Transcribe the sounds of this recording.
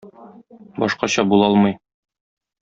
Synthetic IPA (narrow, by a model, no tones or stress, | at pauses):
bɒ̰ʃqɑɕɑbulˠɒlˠmɤj